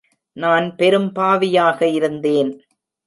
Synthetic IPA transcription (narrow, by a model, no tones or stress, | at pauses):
naːnpɛɾɯmpaːʋɪjaːɣɐɪɾɯnd̪eːn